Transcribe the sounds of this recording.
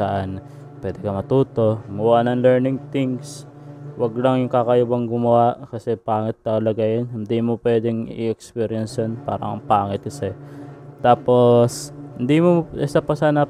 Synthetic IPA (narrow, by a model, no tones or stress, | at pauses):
ɐʔan | pwɛːd̪ɛkɐmɐt̪uːt̪o̞mɐwaʔnɐŋlɛɹnɪŋt̪iŋs | wɐɡlɐŋjʊŋkakɐjʊbɐŋɡʊmɐwaʔkɐsɛpaːŋɪt̪̚t̪ɐkɐlɐɡajɐnhɪnd̪imopwɛːd̪ɛŋɪ̰ɛkspɛːɾɪjɐnsjonpa̰ːɾɐ̰ŋpaːŋɪt̪̚kɐsɛt̪aːposhɪnd̪imoʔɪsapɐsaanɐ